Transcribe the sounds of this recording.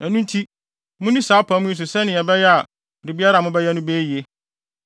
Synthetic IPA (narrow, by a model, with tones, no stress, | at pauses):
æ˨nũ˦n˦tʰi˦ | mʊ̃˦nĩ˦saː˨˦pʰã˦mʊ̃˦ĩ˦s̬ʊ˨sɛ˦nɪ̃˨ɛ˨bɛ˦jɛ˦a˨ | bɾi˨bi˦a˦ɾa˨mʊ̃˦bɛ˦jɛ˦nʊ̃˦beː˦ji˨e˦